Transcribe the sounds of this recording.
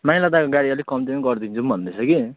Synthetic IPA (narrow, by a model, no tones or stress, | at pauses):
mailʌd̪akoɡaɽiʌlikʌmtenɡʌrd̪int͡sʰumbʱʌnd̪et͡sʰʌki